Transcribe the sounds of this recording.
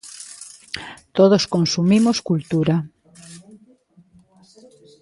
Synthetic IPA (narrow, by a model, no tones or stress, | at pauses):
t̪oð̞oskonsumimoskult̪uɾa